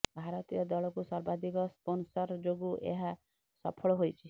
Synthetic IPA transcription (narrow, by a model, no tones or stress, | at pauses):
bʱaɾɔt̪ijɔd̪ɔɭɔkusɔɾbad̪ʱikɔsponsɔɾd͡ʒoɡuʔḛɦa | sɔ̰pʰɔɭɔɦojt͡ʃʰi